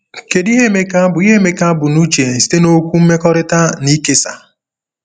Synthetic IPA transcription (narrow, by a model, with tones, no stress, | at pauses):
ke˨di˦ɦe˦me˦ka˦bʊ˨i˦e˦me˦ka˦a˦bʊ˨nu˦t͡ʃe˨n̩˨si̥˦te˦no˦kʷu˦m̩˦me˦kɔ˦ɾɪ˦ta˦ni˦ke˦sa̰˨